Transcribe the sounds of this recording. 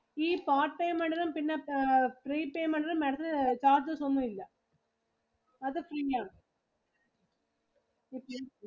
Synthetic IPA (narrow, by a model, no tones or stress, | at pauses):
iːpaːrʈpeːmɐɳɖɐɾɐmpinːe̞friːpeːmɐɳɖɐɾɐmːeɽɐt̪ɐlt͡ɕaːrd͡ʑɨsonːuʋilːɐ | ɐðɨfriːaːɳɨ | ipːo